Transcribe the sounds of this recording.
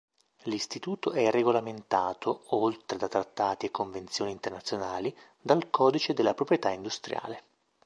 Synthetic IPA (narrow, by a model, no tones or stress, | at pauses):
list̪it̪uːt̪oɛrːeɡolament̪aːt̪ʰoolt̪ɾed̪at̪ɾat̪ːaːt̪iekːoɱvent̪sjoːniːnt̪ernat̪sːjonaːli | d̪alkʰɔːd̪it͡ʃed̪elːapɾopɾjet̪aind̪ust̪ɾja̰ːle